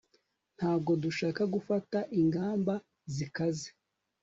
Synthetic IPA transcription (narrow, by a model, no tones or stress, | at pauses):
n̥haːbɡo̞duʃaːkaɡufataʔiŋɡaːmba | zikaze